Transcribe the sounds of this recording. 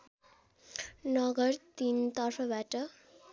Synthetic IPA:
nʌɡʌrt̪int̪ʌrpʰʌbaʈʌ

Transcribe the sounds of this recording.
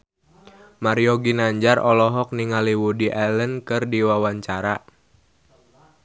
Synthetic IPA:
maɾiɔɡinaɲd͡ʒarʔɔlɔɦɔk̚niŋaliwudiʔɛlənkɨrdiwawaɲt͡ʃaɾa

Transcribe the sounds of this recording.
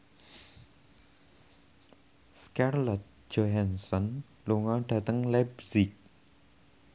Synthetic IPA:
skarlɔt̪̚ | d͡ʒ̥ɔɦansɔn | luŋɔɖ̥ä̤t̪əŋlɛbsɪk̚

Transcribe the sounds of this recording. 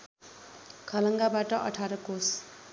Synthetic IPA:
kʰʌlʌŋɡabaʈʌʔʌ̰ʈʰaɾʌkos

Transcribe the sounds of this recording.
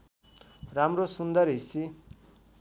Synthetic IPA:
ramrosund̪ʌrɦisi

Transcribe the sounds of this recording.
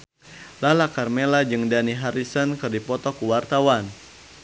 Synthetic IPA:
lalakarmelad͡ʒɨŋdaniɦaɾisənkɨrdipɔt̪ɔkuwart̪awan

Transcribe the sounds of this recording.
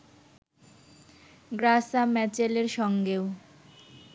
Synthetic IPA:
ɡɾasamɛt͡ɕeleɾʃɔŋɡeo

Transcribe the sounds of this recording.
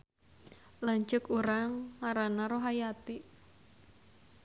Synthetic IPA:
laɲt͡ʃʊkuɾaŋːaɾanaɾoɦajat̪i

